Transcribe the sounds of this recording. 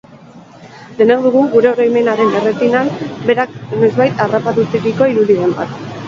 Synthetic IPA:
d̪e̞nawðuɣuɡuɾe̞oɾajme̞naɾe̞neret̪inanbe̞ɾakne̞zβajt̪arapat̪ut͡siɾiko̞iɾuðiðe̞mba̰t̪

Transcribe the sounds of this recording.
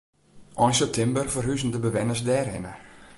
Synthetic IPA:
ʔɔjnsəp̚tʰɪmbərvərɦyzəndəbəʋɛnəsdɛːrɪ̰nə

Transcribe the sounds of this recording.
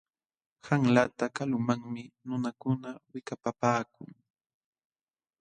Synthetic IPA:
haŋlat̪akalʊmaŋmɪnʊnakʊnawɪkapapaːkʊŋ

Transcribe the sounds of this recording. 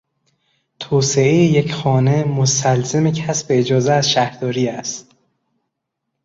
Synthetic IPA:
t̪ʰoːse̞ejejecxɒːne̞most̪ælzemecʰæsbeːd͡ʒɒːzeæzʃæhɾd̪ɒːɾiːæst̪

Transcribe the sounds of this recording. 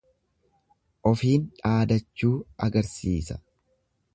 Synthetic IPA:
ʔɔfiːnᶑaːd̪ɐt͡ʃːuːɐɡɐɾsiːsɐ̥

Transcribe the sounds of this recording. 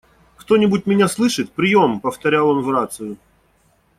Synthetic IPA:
kt̪o̞nʲɪbʊt̚ʲmʲɪnʲaslˠɨʂɨt̪̚pɾʲɪjo̞mpəft̪ɐɾʲalˠonvrat̪sɨjʊ

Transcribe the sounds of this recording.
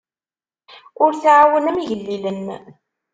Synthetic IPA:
ʊɾθʕawənæmiʝəlːilən

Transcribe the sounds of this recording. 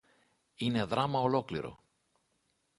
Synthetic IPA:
ine̞ðɾɐmɐolo̞klḭɾo̞̰

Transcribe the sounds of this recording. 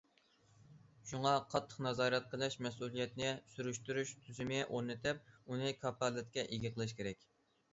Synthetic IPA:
ʃuŋɑqʰɑt̪ʰːə̥qnɑzɑːɾɛt̪̚qʰəlˠɨʃmɛs̬ulˠijɛt̪nɪsyɾyʃt̪yɾyʃt̪ʰyzɪmɪʔoɾnɨt̪ʰɪp̚unɨkʰɑpɑlɨt̪̚kʲɛʔeɡʲɪqʰəlˠɨʃkʲʰeɾɛkʲ

